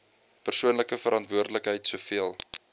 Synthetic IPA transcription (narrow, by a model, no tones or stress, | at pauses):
pərsuənləkəfəɾʔɐntvuərdələkɦəjtsuəfiəlˠ